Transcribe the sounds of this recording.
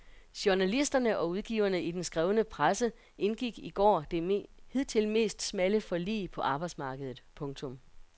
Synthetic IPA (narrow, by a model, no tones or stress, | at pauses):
ɕoɐnælisd̥ɐnəʔɒ̽uð̞ˠɡ̥ḭʊɐnəid̥ensɡ̥ʁɛːʊnəpʰʁasə | ʔe̝nɡ̥iɡ̥iɡ̥ɒ̰ːd̥ehið̞̰ˠt͡sʰe̝lme̝̰ːsd̥smæləfɒ̽lḭːpʰɒ̽ʔɑ̈ːb̥ɑ̈ɪd̥smɑ̈ːɡ̥əð̞ˠð̩ˠpʰɔ̽ŋt͡sʰɔ̽m